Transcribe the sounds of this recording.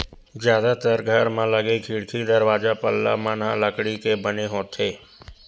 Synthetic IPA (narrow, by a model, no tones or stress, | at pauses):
zjaːd̪at̪əɾɡʱəɾmãləɡekʰiːɽkʰid̪əɾwaːd͡ʒapəlːa̰manãləkɽikebəneɦoːt̪eː